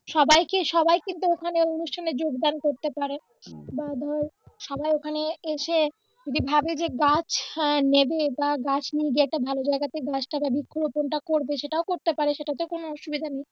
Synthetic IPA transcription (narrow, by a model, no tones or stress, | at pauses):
ʃɔbajkiʃɔbajkint̪uokʰaneonuʃʈʰaned͡ʑoɡd̪ankoɾt̪epaɾe | bad̪ʱɔʃɔbajokʰaneeʃe | d͡ʑod̪ibʱabed͡ʑeɡat͡ɕʰnebebaɡat͡ɕʰnieɡieɛʈabʱalod͡ʑaeɡat̪eɡat͡ɕʈababikʰːoboponʈakoɾbeʃeʈaokoɾt̪epaɾeʃeʈat̪okonoɔʃubid̪ʱanej